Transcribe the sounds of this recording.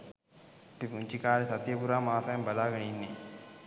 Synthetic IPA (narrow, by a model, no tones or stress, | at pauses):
pipuɲt͡ʃikaːɾesɐt̪jəpuɾaːmaːsajembɐlaːɡɐninːḛ